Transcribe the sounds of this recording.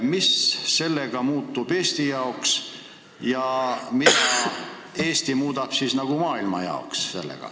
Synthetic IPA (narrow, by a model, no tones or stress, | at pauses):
misːe̞lːeɡ̥ɑmuːt̪ːub̥e̞ːst̪ijɑoks | jɑmit̪ɑ | e̞ːst̪imuːd̪̥ɑb̥sisnɑɡ̥umɑːilmɑ̰jɑ̰oksse̞̰lːḛɡ̥ɑ̰